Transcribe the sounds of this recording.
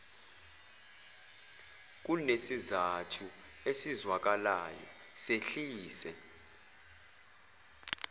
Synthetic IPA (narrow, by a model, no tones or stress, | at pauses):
k̬ʼunesizatʰu | esizwak̬alajɔ̰ | seɬiːsɛ